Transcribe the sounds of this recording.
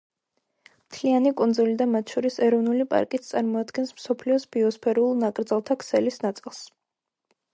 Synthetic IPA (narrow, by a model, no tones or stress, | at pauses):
mt̪ʰlianikʼund̪zulid̪amat̪ʰʃɔɾisɛɾɔvnulipʼa̰ɾkʼit̪sʰt̪sʼaɾmɔad̪ɡɛnsmsɔpʰliɔsb̥iɔspʰɛɾulˠnakʼɾd̪zalˠt̪ʰakʰsɛlisnat̪sʼilˠs